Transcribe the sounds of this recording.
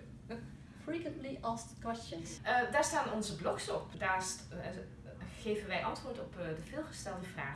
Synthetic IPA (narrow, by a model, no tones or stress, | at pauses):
pʰlikətliʔɑskɛstənsʔdaːɹstaːnɔnzəblɔksɔpdaːɹs | χejvənʋɛjʔɑntʋʊːɹtɔpdəvɪːlˠχəstɛlˠdəv̥ra̰ːχ